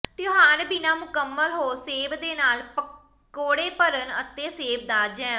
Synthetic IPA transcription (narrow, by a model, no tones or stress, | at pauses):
t̪jʊɦaːɾbɪnãːmʊkəmːəlɦoːseːʋd̪eːnaːlpə | koːɽeːpəɾənət̪ːeːseːʋd̪aːd͡ʒɛ̃ː